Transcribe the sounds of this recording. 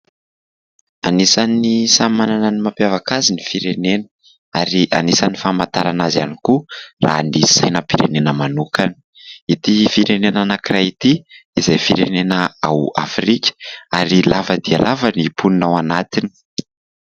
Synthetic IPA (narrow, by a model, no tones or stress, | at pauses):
anisanisamananənimapjavakazinifiɾenenə̥ | aɾiʔa̰nisanifamant̪aɾanaza̰nikura̰nisajnəpiɾḛnenəmanukani̥ | it̪ifiɾenenanakirajit̪iizejfiɾenenəawa̰fɾikʲə̥aɾilavəd̪ia̰lʔavənipuninawanat̪ini̥